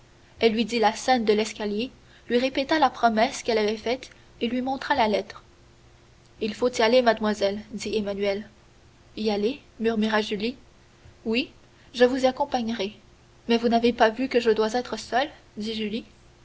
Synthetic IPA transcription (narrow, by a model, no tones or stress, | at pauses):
ɛlːɥid̪ilasɛnd̪əlɛskʲalje | lɥiʁepet̪alapχɔmɛskɛlavɛfɛt̪ | elɥimɔ̃t̪χalalɛt̪χ | ilfot̪ialemad̪mwazɛld̪iemanyɛl | ialemyʁmyʁaʒyli | wi | ʒəvuziakɔ̃paɲʁɛ | mɛvunavepavykəʒəd̪wazɛːt̪χəsœl | d̪iʒyli